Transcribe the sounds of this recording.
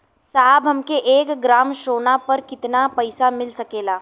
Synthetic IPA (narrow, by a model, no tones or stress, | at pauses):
saːbɦɐmkeʔeːkɡɾaːmʃoːnapɐɾkɪt̪napɐɪsamɪlsɐkeːlaː